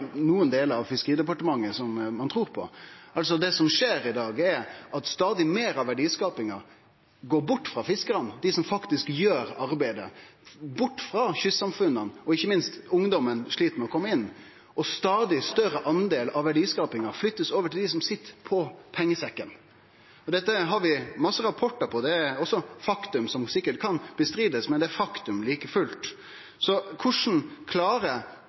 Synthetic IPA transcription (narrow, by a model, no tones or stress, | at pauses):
nuːənd̪eːləɑʋfɪskəɾiːd̪ɛpɑʈəmɑŋːəsɔmːɑnt̪ʰɾuːɾpʰɔ̰ʔɑls̬ɔd̪ɛsɔmʂeːɾɪd̪ɑːɡɛɾʔɑt̪st̪ɑːd̪ɪmeːɾɑʋæɖiːskɑːpɪŋɑɾ | ɡoːɾbʊʈːfʁɑfɪskəɾɑnəd̪ɪsɔmfɑkt̪ɪskjøːɾɑɾbæɪd̪ə̰bʊʈːfɾɑçʏsːɑmfʉnːənɔɪçːəmɪnst̪ʊŋd̪ɔmənʂɭiːt̪əɾmɛɔkʰɔmːəɪnː | ɔst̪ɑːd̪ɪst̪œɾəʔɑnd̪eːlɑʋæɖiːskɑːpɪŋɑflʏt̪ːəsoːʋəʈʰɪld̪ɪsɔmsɪt̪ːəpʰɔpʰɛŋːəsɛkːən | ɔd̪ɛt̪ːəɦɑɾʋɪmɑsːəɾɑpʰɔʈːəɾpʰɔd̪ɛæɾɔsɔfɑkt̪ʉmsɔmsɪkːəʈkʰɑnb̥əst̪ɾiːd̪əsmɛnd̪ɛæfɑkt̪ʉmliːkəfʉlt̪ | sɔkʰʊʂn̩kʰlɑːɾə